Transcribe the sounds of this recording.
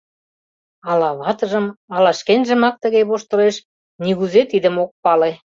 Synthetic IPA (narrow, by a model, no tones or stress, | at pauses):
ɑlɑβɑt̪ɤ̆ʒə̆mɑlɑʃkenʒə̆mɑk̚t̪ə̆ɣeβoʃt̪ɤ̆leʃ | niɣuzet̪id̪ə̆mok̚pɑle